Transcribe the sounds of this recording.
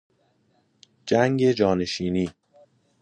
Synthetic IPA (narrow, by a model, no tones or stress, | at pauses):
d͡ʒæŋɡe̞d͡ʒɒːne̞ʃiːniː